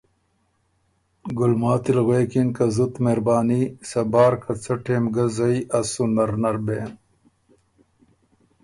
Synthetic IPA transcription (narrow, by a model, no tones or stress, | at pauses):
ɡulmaːt̪ilɣweːkinkɐzut̪meːɾbaːnisɐbaːɾkɐt͡sɐʈʰeːmɡɐzɐjɐsunɐɾnɐɾbeːn